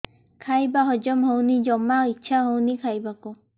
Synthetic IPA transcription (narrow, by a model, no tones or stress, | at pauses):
kʰajbaɦɔd͡ʒɔmɦɔwnid͡ʒɔmait͡ʃʰaɦownikʰajbaku